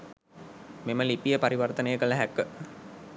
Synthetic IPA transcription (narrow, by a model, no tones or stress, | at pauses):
meməlipijəpaɾiʋɐrt̪ənəjəkələɦækːə